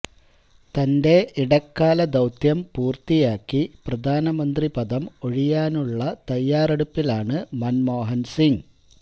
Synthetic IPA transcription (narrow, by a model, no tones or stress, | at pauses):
t̪ɐnde̞iɽɐkːaːlɐd̪ɐwt̪jɐmpuːrt̪ijaːkːiprɐd̪ʱaːnɐmɐnd̪ripɐd̪ɐmo̞ɻijaːnuɭːɐt̪ɐjːaːreɽupːilaːɳɨmɐnmo̞ːɦɐnsiŋ